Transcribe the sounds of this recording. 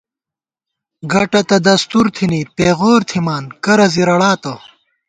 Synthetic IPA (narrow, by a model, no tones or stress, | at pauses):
ɡɐʈɐt̪ɐd̪ɐst̪uɾt̪ʰinipeːɣoːɾt̪ʰimaːnkɐɾɐziɾɐɽaːt̪ɐ